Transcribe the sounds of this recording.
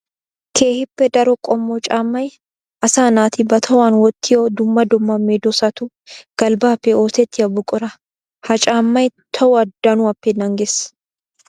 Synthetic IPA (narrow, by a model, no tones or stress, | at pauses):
kʰe̞ːhɪpːɛd̪ɐɾɔkʼɔmːɔt͡ʃʼaːmːɐj | ʔɐsaːnaːt̪ɪbɐt̪ʰɐwaːnwɔt̪ːɪjoːd̪ʊmːɐd̪ʊmːɐmːed̪ɔsɐt̪ʊ | ɡ̥ɐlbaːpːɛoːt̪ɛt̪ːɪɐbʊkʼʊɾɐ | hɐt͡ʃʼaːmːɐjt̪ʰɐwʊɐd̪ɐnʊɐpːɛnɐŋɡes